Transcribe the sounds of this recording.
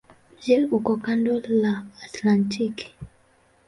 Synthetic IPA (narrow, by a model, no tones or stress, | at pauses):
d͡ʒɛukɔkandɔlaːtlantʰiki̥